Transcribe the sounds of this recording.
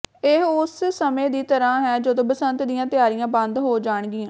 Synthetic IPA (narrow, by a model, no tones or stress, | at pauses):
ɪɦʊsːəmẽːd̪iːt̪əɾãːɦɛːd͡ʒəd̪õːbəsənt̪d̪ijãːt̪ɪjaːɾijãːbə̃nd̪ɦoːd͡ʒaːɳ̃ɡɪːãː